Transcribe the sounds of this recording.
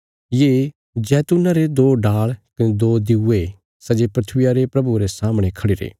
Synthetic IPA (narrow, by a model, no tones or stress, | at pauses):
jeː | d͡ʒɛːt̪ʊnaɾed̪oːɖaːɭkɐned̪oːd̪ɪue | sɐd͡ʒepɾɐt̪ʰʋɪjaɾepɾɐbuɾesaːmɽ̃ekʰɐɽiɾḛː